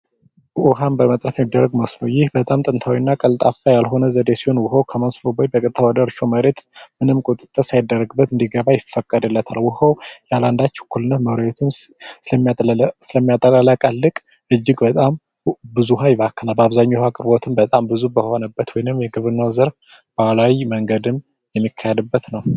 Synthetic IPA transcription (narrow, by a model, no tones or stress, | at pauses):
ʔʊhanbəmət̪ʼɾəfjɛmid̪ːəɾːəɡmosnowjɪhbət̪ʼamt̪ʼɨnt̪ʰawinːakʼəlt̪ʼafajalɦo̞nəzəd̪esiho̞nwʊɦəwkʰəməsnobojbəkʼɨt̪ʼʰːəwad̪əɾʃoməɾe̞t̪mɨnɨmkʼot̪ʼɨt̪ʼːəɾsajɪd̪ːərːəɡɨbːət̪ɨnd̪iɡəβajɪfːəkʼːəd̪ɨlːət̪ʰalwʊhəwjɛaland̪at͡ʃːɛkʰulɨnːət̪məwɾəɛt̪ʰumsɨəmːsɨləmːijat̪ʼːəlʼalakʼəlːɨkʼ | ʔɨd͡ʒːɪɡbət̪ʼam | bɨzuɦajbakʰːənalbaβzaɲːuhakʼɨɾbo̞t̪ʰɨmbət̪ʼambɨzubəho̞nəbːət̪wɔjnɨmjɛɡɨβɨnːəwzəɾ | balawiməŋɡəd̪ɨm | jɛmːikʰːahed̪ɨbːət̪nəw